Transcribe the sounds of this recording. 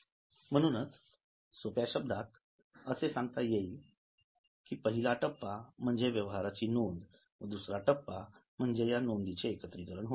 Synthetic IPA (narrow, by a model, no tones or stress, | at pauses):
m̤əɽ̃uːnət͡s | sopjaɕəb̚d̪ʱat̪ | əsesãŋɡt̪ajei | kiːpəɦilaʈəpːam̤əɳd͡zeʋjəʋɦaɾat͡ɕiːnond̪ | ʋəd̪usɾaʈəpːam̤əɳd͡zejanond̪it͡ɕeːkət̪ɾikəɾəɳɦo